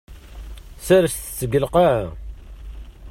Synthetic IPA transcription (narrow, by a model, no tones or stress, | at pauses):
sæɾəst̪ə̥t͡sːəɡəlqa